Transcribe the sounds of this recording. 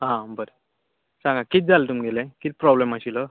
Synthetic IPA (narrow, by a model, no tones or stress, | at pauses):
ɦãbəɾe | sãŋɡakit̪̚d͡zalt̪umiɡelẽkit̪̚pɾɔblemaɕilə